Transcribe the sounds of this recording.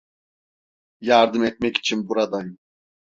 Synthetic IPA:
jaɾd̪ɯmɛt̪̚mɛci̥t͡ʃʰinbuɾad̪ajɯ

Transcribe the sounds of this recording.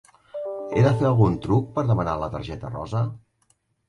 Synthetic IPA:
eðəfeəlˠɣunt̪ɾuk̚pəɾðəmənalət̪ə̰ɾʒɛt̪ərɔ̰zə

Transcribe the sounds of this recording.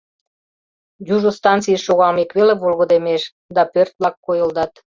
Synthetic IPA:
juʒost̪ɑnt̪t͡sijəʃːoɣɑlmekβelevolɣə̆d̪emeʃ | d̪ɑpørt̪̚βlɑkːojəld̪ɑt̪

